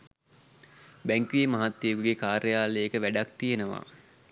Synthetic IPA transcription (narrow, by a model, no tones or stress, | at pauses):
bæŋkʋiəmaɦat̪ːijukuɡekaːɾəjaːleəkəʋæɖak̚t̪ijenəʋa̰